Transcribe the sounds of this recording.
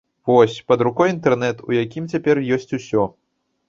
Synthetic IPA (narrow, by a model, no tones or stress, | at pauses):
vɔsʲpɐd̪ɾukɔjint̪ɛrnɛt̪ujakʲimt͡sʲapʲɛrjɔsʲt͡sʲusʲɔ